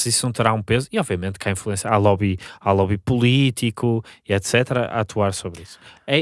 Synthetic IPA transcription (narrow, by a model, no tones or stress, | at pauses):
sɨisunɐ̃w̃t̪ɨɾaũpezuiɔbviɐmẽnt̪kʰaĩflˠuẽsjɐalˠɔβialˠɔβipulˠit̪ʰikʰuiɛt̪sɛt̪ɾɐʔa̰t̪ʰuaɾsoβɾisu̥ɛ